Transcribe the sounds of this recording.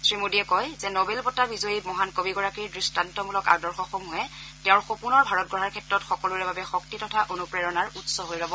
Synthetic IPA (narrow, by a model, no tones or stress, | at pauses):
sɹimodiɛkɔjzɛnɔbelpɔtabizoimɔɦankobiɡɔɹakiɹdɹistantɔmulɔka̰dɔɹxɔxomuɦɛtɛʊ̃ɹxopunɔɹbʱaɹɔt̚ɡɹɔɹaɹkʰɛtɹɔtxɔkɔluɹɛbabɛxɔk̚titɔtʰaʔonupɹɛɹɔnaɹutsɔɦojlɔbɔ